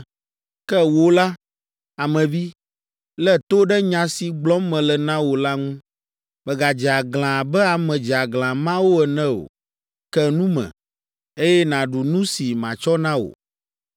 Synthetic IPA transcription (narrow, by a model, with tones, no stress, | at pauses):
kɛ˦wo˦la˦ | a˨mɛ̃˨vi˦ | lɛ˦t̪o˦ɖɛ˦ɲã˨si˨ɡ͡blɔ˦mmɛ̃˨lɛ˨nã˦wo˨la˦ŋũ˦ | mɛ̃˨ɡa˨d͡ʒɛ˨a˨ɡl̃ã˨bɛ˦a˨mɛ̃˨d͡ʒɛ˨a˨ɡlã˨mã˦wo˦ɛ˨nɛ̃˦o̰˨ | kɛ˦nũ˦mɛ̰̃˨ | e˦jɛ˦nã˨ɖu˨nũ˦si˨mã̰˨t͡ʃɔ˦nã˦wo̰˨